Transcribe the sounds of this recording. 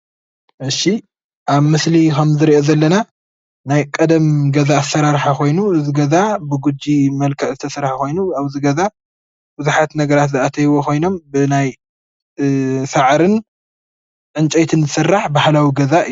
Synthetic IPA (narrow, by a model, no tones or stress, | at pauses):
ʔɨʃi | ʔaβmɨslikʰɐmzɨɾiʔozɐlːɐna | najkʼɐd̪ɐmɡɐzaːsːɐɾaɾħakʰo̞jnuɨzɨɡɐzabɨɡud͡ʒːimɐlkʰɐʔzɨt̪ʰɐsɨɾħakʰo̞jnuaβzɨɡɐza | bɨzuħat̪nɐɡɐɾat̪zɨʔat̪ʰɐjwokʰo̞jno̞mbɨnaj | saʕɾɨn | ʕɨnt͡ʃʼet̪ʰɨnzɨsɨrːaħbahlawiɡɐza